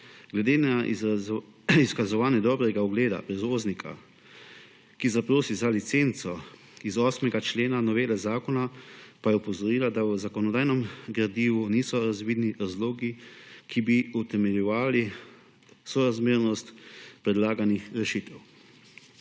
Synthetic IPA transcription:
ɡlɛd̪eːna | iskazɔʋaːnjɛd̪ɔːbɾɛɡaɔɡleːd̪a̰pɾɛzʋoːznikʰa̰ | kizapɾoːsizalit̪seːnt̪sɔ | izɔːsmɛɡat͡ʃleːnanɔʋeːlɛzaːkɔnapajɛɔpɔzɔɾiːlad̪awəzakɔnɔd̪aːjnɔmɡɾad̪iːʋuniːsɔɾazʋiːd̪niɾazloːɡikʰibiut̪ɛmɛljɔʋaːli | sɔɾazmeːɾnɔst̪pɾɛd̪laːɡanixɾɛʃiːt̪ɛw

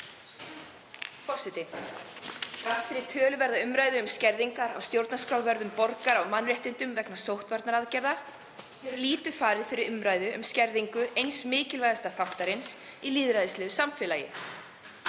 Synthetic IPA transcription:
fɔsɪt̪ɪ | ɾasɪɾɪt̪ʰœːlʏvɛɾðaʏmɾaːjðʏːmscɛɾðiŋkaɾa̰wst̪jowɾt̪naskɾawvɛɾðʏmpɔɾkaɾawmanːɾɛht̪ɪnt̪ʏmvɛknasowht̪vaɾt̪naɾaðcɛɾða | θɛɾliːt̪ʏ̥faːɾɪðfɪɾɪɾʏmɾaːjðʏʔʏmscɛɾðiŋkʏejnsmɪːcɪlvajðast̪aθawht̪aɾɪns | iliːðɾajðɪslɛːðʏsamfɪːlaːjɪ̰

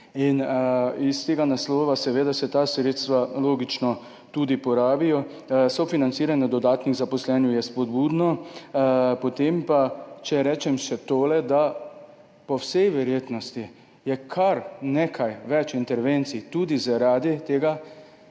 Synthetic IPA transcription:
inist̪eːɡanaslɔːʋasɛʋeːd̪asɛt̪asɾeːt̪st̪ʋaloːɡit͡ʃnɔ | t̪uːd̪ipɔɾaːbijɔ | sɔfinant̪siːɾanjɛd̪ɔd̪aːt̪niɣzapɔslɛːnjɛjɛspɔd̪buːd̪nɔ | pot̪empat͡ʃɛɾɛːt͡ʃɛmʃɛt̪oːlɛd̪a | pɔwsɛjʋɛɾjeːt̪nɔst̪i | jɛkʰaɾnekʰajʋɛt͡ʃint̪ɛɾʋent̪sit̪ud̪izaɾaːd̪it̪eːɡa

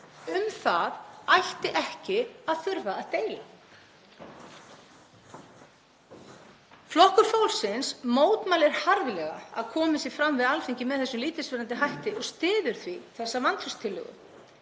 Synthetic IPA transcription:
ʏmθaðajht̪ɪʔɛhcɪaðθʏɾvaːðt̪eːjla | flɔhkʏɾ̥fowlsɪnsmoːwt̪maːlɛɾ̥haɾvɪlɛɣaa̰ðkʰɔːmɪsɪfɾamvɪðalfiɲcɪmɛðθɛsːʏmliːt̪ɪsvɪːɾant̪ɪɦajht̪ɪɔɣst̪ɪːðʏɾ̥θviθɛsːavant̪ʰɾʏst̪ʰɪlːʏ̰ɣʏ̰m

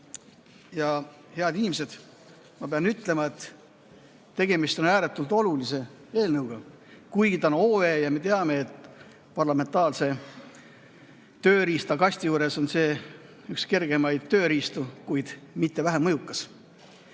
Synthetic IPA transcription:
jɑ | he̞ɑd̪inimse̞d̪̥ | mɑpe̞ɑnyt̪ˑle̞mɑet̪ | t̪ːe̞ɡe̞mist̪o̞næːɾe̞t̪ːˑult̪o̞lulise̞ | e̞ːlnɤwɡ̥ɑ | kujɡit̪ɑnoːe̞ːjɑme̞t̪e̞ɑme̞et̪ | pɑrlɑme̞nt̪ɑːlse̞ | t̪ø̞ːɾiːst̪ɑkɑsʲt̪ʲijuːɾe̞so̞nse̞ː | ykske̞rɡ̥e̞mɑjd̪̥̚t̪ø̞ːɾiːst̪ukujd̪̥mit̪ːe̞væɦæmɤjukːˑɑs

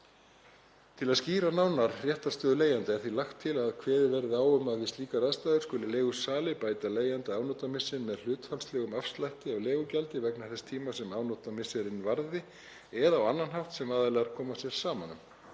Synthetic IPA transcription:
t̪ʰɪlaðsciːɾanawnaɾrjɛht̪ḁst̪œːðʏleːjant̪aɛɾ̥θilaxt̪ʰːɪlaðkʰvɛːðɪvɛɾɪaːwʏmaðvɪst̪iːkaɾaðst̪ajðʏɾ̥skʏːlɪleːɣʏsaːlɪpaːjt̪aleːjant̪aaːwnɔt̪amɪsːɪnmɛðl̥ʏːt̪falslɛɣʏmafst̪lajht̪ɪawlɛːɣʏcalt̪ɪvɛknaɾθɛst̪ʰiːmasɛmaːwnɔt̪amɪsɛɾɪnvaɾðɪ | ɛðawanːanɦaw̥ht̪sɛmaːðalɛɣaɾkʰɔːmasjɛɾ̥saːmanːʏm

